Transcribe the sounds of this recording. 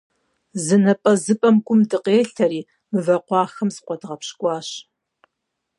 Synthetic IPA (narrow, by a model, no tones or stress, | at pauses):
zɨnɐpʼɐzɨpʼɐmɡʷʼʊmdɨqeːɬɐɾiː | mɨvɐqʷɑːxɐmsqʷʼɔdʁɐpɕkʷʼɑːɕ